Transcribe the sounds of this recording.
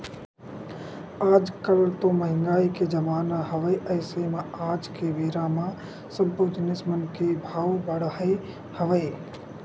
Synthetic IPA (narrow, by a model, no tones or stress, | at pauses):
aːd͡ʒkəlt̪õməɦɪ̃ŋɡaːiked͡ʒəmaːnaɦəʋəjʔəɪsemẽaːd͡ʒkeʋeːɾamã | səbːod͡ʒnɪsmənkebʱaːwbəɽi | həʋəj